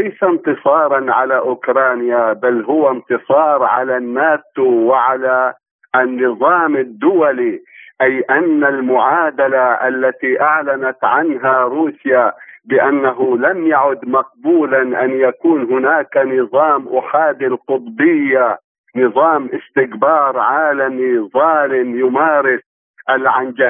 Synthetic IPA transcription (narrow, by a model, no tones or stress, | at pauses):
lajsant̪ɨsˤɑːɾˤɑnʕalaʔʊkɾˤɑːnjabalɦʊwant̪ɨsˤɑːɾˤʕa̰lanːaːt̪uwɪʕala | nːɨðˤɑːmɪd̪ːʊwaliʔajʔanːalmʊʕaːd̪alaʔalːat̪iʔaʕlanat̪ʕanɦaɾuːsjabɪʔanːaɦʊlamjaʕʊd̪mɑq̚buːlanʔanjakuːnɦʊnaːkanɨðˤɑːmʔʊħaːd̪alqʊt̪ˤbɪjːa | nɨðˤɑːmʔɪst̪ɪkbɑːɾˤʕaːlamiðˤɑːlɪmjʊmaːɾɪs | ʔalʕand͡ʒa